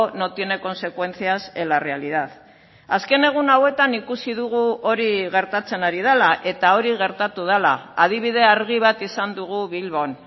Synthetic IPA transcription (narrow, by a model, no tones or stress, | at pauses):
no̞t̪je̞ne̞ko̞nse̞kwe̞nt͡siaselare̞aliðað | aske̞ne̞ɣ̞unawe̞t̪anikusiðuɣuo̞ɾiɣe̞ɾt̪at͡se̞naɾið̞alaʔe̞t̪ao̞ɾiɣe̞ɾt̪at̪uð̞ala̰að̞iβ̞ið̞e̞aɾɣiβ̞at̪isand̪uɣ̞uβilβo̞n